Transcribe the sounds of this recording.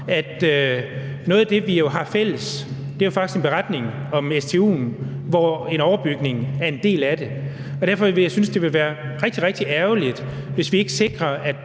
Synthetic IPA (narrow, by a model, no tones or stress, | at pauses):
æd̥ø | nɔ̽ːð̞̩ˠæd̥e̝ʋijo̝ɦɑ̈fel̰əs | d̥e̝ɐjofɑ̈ɡ̥isɡ̥e̝nb̥e̝ʁɑd̥ne̝ŋɒ̽mest͡sʰe̝ːṵːnʋɒe̝nɒʊɐb̥yɡ̥ne̝ŋæɐe̝nd̥e̝̰ːlæd̥e̝ | ɒ̽d̥æɐfɒ̽jɑ̈ɪsynsd̥e̝ʋe̝lʋæːɐʁɛɡ̥̚d̥iʁɛɡ̥̚d̥iʔæɐʊlid̥ʋe̝sʋie̝ɡ̥əse̝ɡ̥ʁɐæd̥